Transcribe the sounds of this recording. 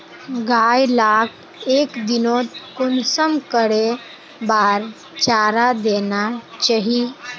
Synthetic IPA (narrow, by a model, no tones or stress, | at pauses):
ɡajlakʰ | ekd̪inot̪konsəmkəɽe | baɾ | t͡ʃaɾad̪enat͡ʃaɦi